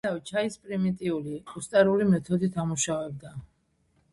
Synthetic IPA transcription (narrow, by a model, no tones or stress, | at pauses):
avɛt͡ʃʰaispʼɾimit̪ʼiuliust̪ʼaɾulimɛt̪ʰɔd̪it̪ʰamuʃavɛb̚d̪a